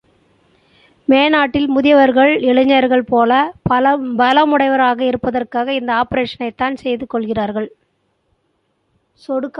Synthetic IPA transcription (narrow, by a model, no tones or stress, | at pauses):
meːnaːʈːɪlmʊðɪjɐʋɐɾɣɐɭɪɻɯɲːɐɾɣɐɭpoːlɐpbɐlɐmʊɽɐɪʋɐɾaːɣɐɪɾɯpːɐðɐrkaːɣɐɪnd̪ɐaːpɐɾeːʂɐnɐɪt̪ːaːnsɛjðɯkːɔɭɣɪraːɾɣɐɭ | sɔɽɯkː